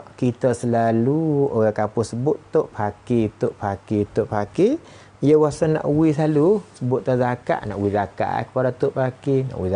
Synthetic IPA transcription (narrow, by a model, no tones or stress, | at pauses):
kit̪əsəlaluoɣakapʊsəbʊt̪t̪ːoʔpakit̪ʊʔpakit̪ʊʔpaki | ijəwasəna̰ʔwisalusəbʊt̪̚t̪ːazaka̰ʔna̰ʔwizaka̰ʔkə̥padat̪ʊʔpakina̰ʔwi